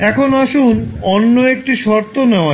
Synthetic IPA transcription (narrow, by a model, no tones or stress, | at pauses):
ɛkʰonaʃunɔnːoek̚ʈiʃɔɾt̪oneoa